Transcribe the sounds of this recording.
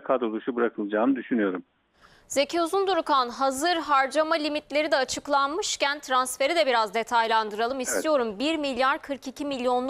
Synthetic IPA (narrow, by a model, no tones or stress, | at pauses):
kʰad̪ɾolˠuʃubɯɾakʰɯlˠd͡ʒaːnɯd̪yʃynyjo̞ɾum | z̥e̞cʰeuzund̪uɾukanɦazɯɾɦaɾd͡ʒamalʲimit̪lʲe̞ɾid̪ɛat͡ʃʰɯklˠanmɯʃcænt̪ʰɾansfe̞ɾid̪ɛbiɾazd̪e̞t̪ʰajlˠand̪ɯɾalˠɯmist̪ʰijo̞ɾumbiɾmilʲjaɾkʰɯɾkicʰimilʲjo̞nˠ